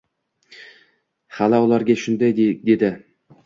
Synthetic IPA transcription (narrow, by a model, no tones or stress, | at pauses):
halaʊlˠaɾɡʲaʃʊnd̪ajd̪e̞d̪ɪ